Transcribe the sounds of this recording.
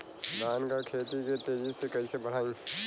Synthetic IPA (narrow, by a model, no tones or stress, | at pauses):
d̪aːnkakʰeːt̪iket̪eːd͡ʒisekɐisebəɽ̤aːĩ